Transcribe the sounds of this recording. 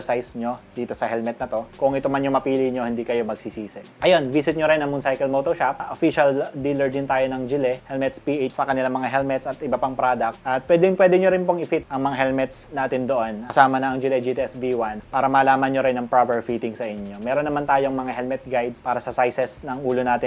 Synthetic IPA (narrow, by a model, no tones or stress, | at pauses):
ɹsajsɲo̞d̪iːt̪o̞sɐhɛlmɛt̪nɐt̪o̞kʊŋɪt̪omɐnɲomɐpiːlɪɲo̞hɪnd̪iːkɐjo̞mɐɡ̚sisiːsɛʔɐjo̞nbiːsɪt̪̚ɲoɾɪnɐŋmʊnsajkɛlmot̪oʃap̚ʔofiʃɐld̪iːlɛɹd̪ɪnt̪aːjo̞nɐŋd͡ʒɪlɛhɛlmɛt̪spiːʔet͡ʃsɐkɐnɪlaŋmɐŋaɦɛlmɛt̪sɐt̪ɪbɐpaŋpɾad̪ɐk̚t̪ʔɐt̪̚pwɛːd̪ɪnpwɛːd̪ɛɲoɾɪnpoŋɪfit̪ʔɐŋmɐŋaɦɛlmɛt̪snaːt̪ɪnd̪oʔonɐsaːmɐnɐɐŋd͡ʒɪlɛd͡ʒit̪iɛsviwanpaːɾɐmɐːlaːmɐnɲoɾɪnɐŋpɾabɛɹfit̪ɪŋsɐʔɪɲo̞mɛːɾonːɐmant̪aːjoɐŋmɐŋahɛlmɛt̪̚ɡajd̪spaːɾɐsɐsajsɛsnɐŋʔuːlonaːt̪ɪn